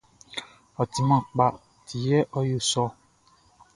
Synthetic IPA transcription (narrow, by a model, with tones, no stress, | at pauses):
ɔ˨ti˨mã˨k͡pa˨ | tʰi˨jɛ˦ʔɔ˦jo˦˨sɔ˦